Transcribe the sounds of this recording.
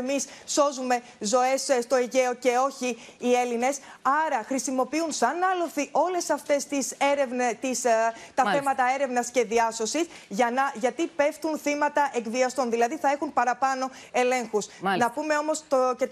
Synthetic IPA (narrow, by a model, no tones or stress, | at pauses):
misso̞zume̞ | zo̞e̞sst̪o̞iʝe̞o̞ce̞o̞çiː | e̞line̞sɐɾɐxɾisimo̞piunsɐnɐloθiʔo̞le̞sɐft̪e̞st̪iseɾevnt̪ist̪ɐθe̞mɐt̪ɐe̞ɾe̞vnɐsce̞ðiɐso̞sisʝɐnɐʝɐt̪ipe̞ft̪unθimɐt̪ɐʔe̞kviɐst̪o̞nðilɐðiθɐexunpɐɾɐpɐno̞ | e̞le̞ŋxusnɐpume̞o̞mo̞st̪ce